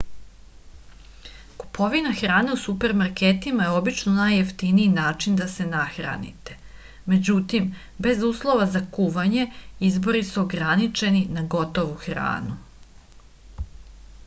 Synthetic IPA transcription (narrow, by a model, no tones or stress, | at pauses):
ku̥pʰo̞ʋinaxɾaːne̞usupe̞ɾmaɾket̪imajeo̞bit͡ʃnonajːeft̪iniːnaːt͡ʃind̪ase̞naxɾa̰nḭt̪e̞̥ | me̞d͡ʑut̪im | be̞zuːslˠo̞ʋazakuʋaɲe̞izbo̞ɾisuoɡɾanit͡ʃe̞ninaɡo̞t̪o̞ʋuxɾa̰ːnu